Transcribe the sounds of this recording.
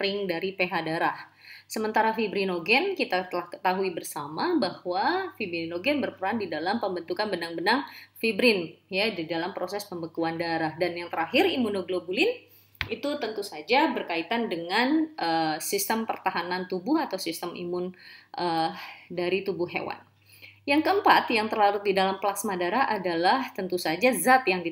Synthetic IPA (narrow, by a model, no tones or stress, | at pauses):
rɪŋdaɾipeɦadaɾah | səmənt̪aɾafibɾinoɡɛnkit̪at̪əlahkə̥t̪aɦuibərsamabahwafibɾiinoɡɛnbərpəɾandidalampəmbənt̪ukanbənaŋbənaŋfibɾɪnjadidalampɾosɛspəmbəkuandaɾahdanjaŋt̪əɾaɦɪɾimunoɡlobulɪn | it̪ut̪ənt̪usad͡ʒabərkait̪andəŋanʔəsist̪əmpərt̪aɦanant̪ubʊhat̪awsist̪əmʔḭmʊnʔədaɾit̪ubʊhɦḛwa̰n | jaŋkəəmpat̪jaŋt̪ərlaɾʊt̪̚didalamplaksmadaɾaɦʔadalaht̪ənt̪usad͡ʒazat̪jaŋdi